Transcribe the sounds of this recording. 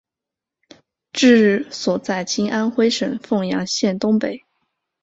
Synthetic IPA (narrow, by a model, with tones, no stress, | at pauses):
ʈ͡ʂɻ̩˥˧ɻ̩˥˩swɔ˨˩t͡sa˥˩ɪt͡ɕi˥ŋʔa˥nxwe˥ɪʂə˨˩ŋfɤ˥˩ŋjɑ̰˧˥ŋɕjɛ˥˩nt̪ʊ˥ŋpe˨˩˦ɪ